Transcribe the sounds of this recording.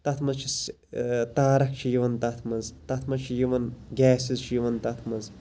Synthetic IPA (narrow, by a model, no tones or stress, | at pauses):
t̪ɐt̪ʰmɐzt͡ʃʰis | t̪aːɾɐk̚t͡ʃʰijiʋɐnt̪ɐt̪ʰmɐzt̪ɐt̪ʰmɐzt͡ʃʰijiʋɐnɡʲɛːsizt͡ʃʰijiʋɐnt̪ɐt̪ʰmɐz